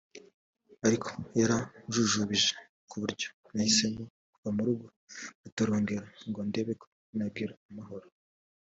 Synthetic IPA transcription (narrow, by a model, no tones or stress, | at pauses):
aɾikʰo̥jaɾaʒuʒuβiʒe̥ | kuβuɾɟo̞ | nahise̞mo̞ | kuvamuɾuɡo | utaɾoːŋɡeɾaŋɡonde̞βekʰo̥ | nab̚ɡiːɾaːmaɦo̞ɾo